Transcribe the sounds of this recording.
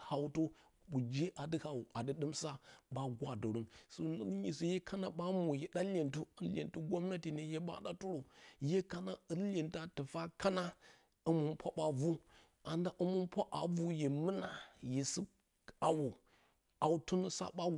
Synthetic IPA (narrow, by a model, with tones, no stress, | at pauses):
ha˨wto˦ | bu˨d͡ʒe˦ʔa˨dɨ˦ha˨wu˨ʔa˨dɨ˦ɗɨ˦msa˦ɓa˦ɡʷa˨do˨ɾu˦nso˨˦ɲi˨so˨je˦kʰa˦na˨ɓa˦mu˨je˨ɗa˦lʲe˨ntu˦ə˦lʲḛ˨ntu˦ɡʷo˦mna˦ti˨ne˨je˦ɓa̰˦ɗa˦tu˦ɾo˨je˦ka˦na˦ə˦e˨nta˦tɨ˨fa˦ka˦na˦ | ə˦mu˨npʰʷa˦ɓa˨vu˦ | a˨nda˦ʔu˦mu˦npʷa˦ʔa˨vu˦je˨mɨ˦na˨je˨si˦ | a˨wu˨ | a˨wtu˦nə˦sa̰˦ɓa˦